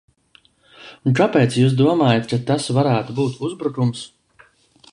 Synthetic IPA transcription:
kapɛːt̪sjuːs̬d̪uɔmaːjat̪kat̪asvaɾæːt̪ubuːt̪uzbɾukums

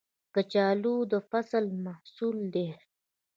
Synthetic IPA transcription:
kət͡ɕaːlud̪əfɐsəlmahsuːld̪e

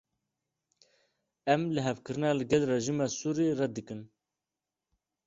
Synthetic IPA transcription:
ɛmlɨɦɛvkɨɾɨnɑːlɨɡɛlrɛʒiːmɑːsuːɾiːrɛd̪ɨkɨn

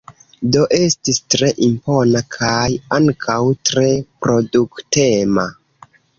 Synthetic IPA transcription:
do̞ʔe̞stistɾe̞ʔimpo̞nakʰajaŋkʰawtɾe̞pɾo̞dukte̞ma

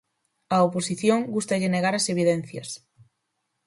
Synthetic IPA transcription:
ɐoposiθjoŋɡust̪ɐʎeneɣaɾɐseβ̞iðɛn̟θjɐ̰s

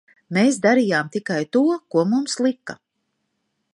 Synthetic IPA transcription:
meːsd̪aɾijaːmt̪ikajt̪uɔkuɔmumslˠikːa

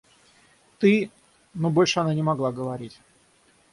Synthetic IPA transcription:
t̪ɨ | no̞bo̞lʲʂɨɐnanʲɪmɐɡlˠaɡəvɐɾʲitʲ

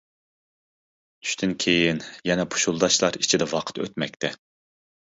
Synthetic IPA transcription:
t̪ʰy̥ʃt̪ʰynkʲʰejinjɛnɛpʰu̥ʃulˠd̪ɑʃlˠɑɾi̥t͡ʃʰid̪ɛvɑqʰə̥t̪ø̰t̪mɛk̚ʲt̪ʰɛ

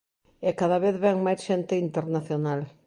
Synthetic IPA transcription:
ɛkaðaβeθβɛŋmajsʃent̪eint̪eɾnaθjonal

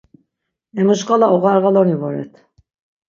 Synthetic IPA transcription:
ɛmuʃqʼalaɔɣaɾɣalɔnivɔɾɛ̰t̪ʰ

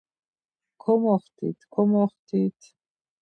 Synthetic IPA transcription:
kʰɔmɔχt̪ʰḭt̪ʰkʰɔmɔχt̪ʰit̪ʰ

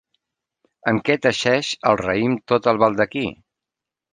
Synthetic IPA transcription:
əŋkɛt̪əʃɛʃəlˠrəimt̪ot̪əlˠβalˠd̪əki

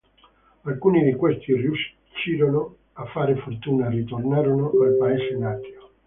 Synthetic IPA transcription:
alkuːnid̪ikwest̪irjuʃ | t͡ʃːiːɾono | afːaːɾefort̪uːnarit̪ornaːɾonoalpaɛːsenaːt̪jo

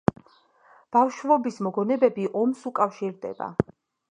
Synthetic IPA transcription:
b̥afʃvɔbismɔɡɔnɛbɛbiʔɔmsukʼafʃiɾd̪ɛ̰ba̰

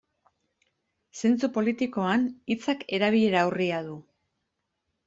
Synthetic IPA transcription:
se̞nt͡supo̞lit̪iko̞anit͡sake̞ɾaβ̞iʎe̞ɾawriaðu

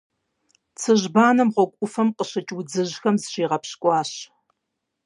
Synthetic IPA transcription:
t͡sʰɨʑbaːnɐmʁʷɔkʷʼʊfɐmqəɕɐt͡ʃʼwʊd͡zɨʑxɐmzɕiːʁɐpɕkʷʼɑːɕ

